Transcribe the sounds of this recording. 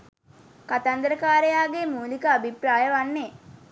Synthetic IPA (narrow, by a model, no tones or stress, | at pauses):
kat̪and̪ɾəkaːɾejaːɡemuːlikəabʱipɾaːjəʋanːe